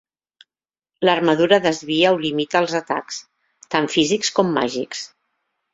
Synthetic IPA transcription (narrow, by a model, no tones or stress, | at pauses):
lərməðuɾəðəzβiəulimit̪əːlˠzət̪a̰ks | t̪aɱfizikskɔmːa̰ʒiks